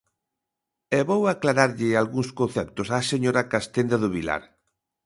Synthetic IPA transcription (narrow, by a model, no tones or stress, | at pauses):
ɛβowaklaɾaɾʎɪalɣuŋskon̟θɛpt̪ʊsaseɲoɾakast̪end̪aðʊβila̰ɾ